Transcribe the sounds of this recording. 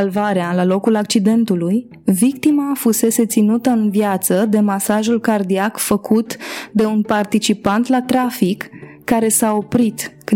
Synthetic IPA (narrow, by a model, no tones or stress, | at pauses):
alvaɾealalo̞kulak̚t͡ʃid̪e̞nt̪uluj | vikt̪imafuse̞se̞t̪sinut̪əɨnvjat̪səd̪e̞masaʒulkard̪iakfəkut̪d̪e̞unpart̪it͡ʃipant̪lat̪ɾafikː | aɾe̞sao̞pɾit̪k